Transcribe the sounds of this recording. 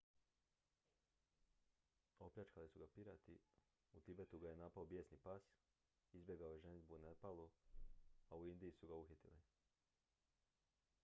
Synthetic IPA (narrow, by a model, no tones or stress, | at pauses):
o̞plʲat͡ʃkalisuɡapiɾat̪i | ut̪ibe̞t̪uɡaje̞napaobje̞ːsnipas | izbje̞ɡaojeʒenizbunepalˠu | auind̪iisuɡauxit̪ili